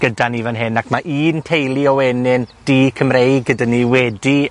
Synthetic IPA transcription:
ɡ̥ədanivanɦɪnakʰmaʔiːntʰejlˠiɔwɛnɪnd̥ikʰəmrejɡ̚ɡədaniwɛdi

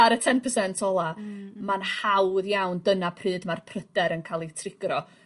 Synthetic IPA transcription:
aɾətʰɛnpʰəsɛntʰɔlˠamanhawðjawndənapʰrɨːdmarpʰrəd̥ɛɾənkʰalˠitʰrɪɡ̥rɔ

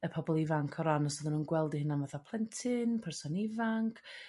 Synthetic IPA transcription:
əpʰɔbɔlˠivaŋkʰɔɾanɔsɔðənuːnɡwɛlˠdihɪnanvaθapʰlˠɛntʰɪnpʰɛrsɔnivaŋkʰ

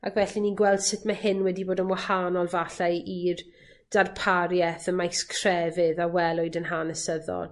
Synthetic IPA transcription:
akvɛɬiniɡwɛlˠd̥sɪtʰmahɪnwɛdiboːdənmwahanɔlˠvaɬajir | d̥arpʰaɾjɛθəmajskʰrɛvɪðawɛlˠʊɨdənɦanəsəðɔ̰lˠ

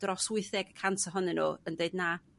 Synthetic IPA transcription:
d̥rɔswʊɨθɛɡ̥kʰantʰəɦʊnɛnṵːəndeɨdna

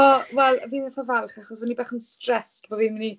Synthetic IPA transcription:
ɔwɛlˠviːnvɛθɔvɛlˠχaχɔswənibaχənstrɛstbɔviːnməni

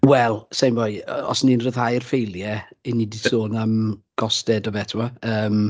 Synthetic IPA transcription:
wɛlˠsejmvojɔ̰sninrəðhajrfejlˠjɛinidisoːnamɡ̥ɔsdɛdɔvɛtʰɪwaəːm

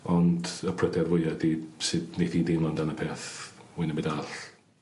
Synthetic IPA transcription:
ɔndəpʰrədɛrwʊjadisɨdnedidimlandanəpʰeːθwinəmɛdaɬ

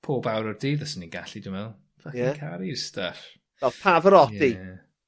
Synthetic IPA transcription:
pʰoːbawɾɔrdiːðasəniɡaɬidɪmɛl̥ˠ | akikʰaɾistaf | vɛlˠpʰavəɾɔjdi

